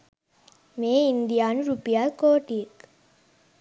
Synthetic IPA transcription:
meːind̪ijaːnuɾupijaːlkoːʈik

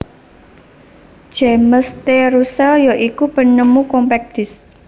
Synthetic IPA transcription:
d͡ʒeməst̪eɾusɛljoʔikubə̤nəmukɔmpɛk̚d̪̥ɪs

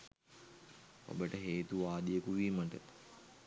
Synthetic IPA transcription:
o̰bəʈəɦeːt̪uʋaːd̪ijəkuʋiːməʈət̪

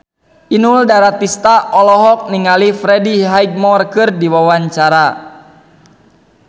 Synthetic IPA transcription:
ʔinuldaɾat̪ist̪aʔɔlɔɦɔk̚niŋalifɾɛdiɦaiɡ̚mɔrkɨrdiwawaɲt͡ʃaɾa

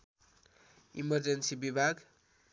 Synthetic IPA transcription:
ḭmʌrd͡zʌnsibibʱaɡ

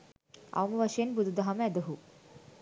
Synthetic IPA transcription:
a̰wmʋəɕenbud̪ʱd̪aɦamɛd̪əɦu

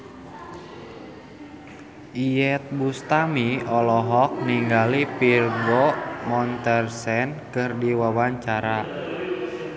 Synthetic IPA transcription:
ʔijɛt̪̚bust̪amiɔlɔɦɔk̚niŋɡalipirɡɔmɔnt̪ɛrsɛnkɨrdiwawaɲt͡ʃaɾa

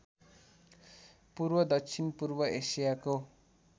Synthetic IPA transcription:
purbʌd̪ʌkt͡sʰinpurbʌʔesijako

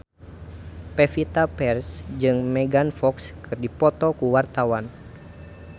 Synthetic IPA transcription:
pɛfit̪apɛrsd͡ʒɨŋmɛɡanfɔkskʰɨrdipɔt̪ɔkuwart̪awan

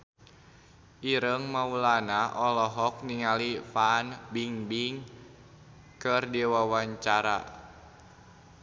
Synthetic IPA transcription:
ʔiɾəŋmaulanaʔɔlɔɦɔk̚niŋalifanbiŋbiŋ | kərdiwawaɲt͡ʃaɾa̰

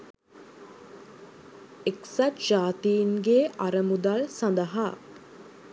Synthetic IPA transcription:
eksatd͡ʒaːt̪iːŋɡeːʔaɾəmud̪alsand̪əɦaː

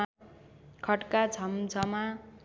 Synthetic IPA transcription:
kʰʌʈkat͡sʰʌmd͡zʌma

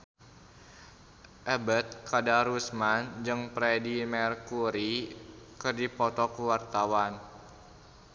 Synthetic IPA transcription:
ʔɛbət̪̚kadaɾusmand͡ʒɨŋpɾɛdimɛrkuɾikərdipɔt̪ɔkəwart̪awan

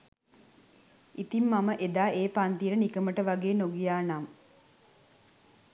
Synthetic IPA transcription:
it̪imːaməʔed̪aːʔeːpant̪ijəɾənikəməʈəʋaɡeːnoɡijaːnam

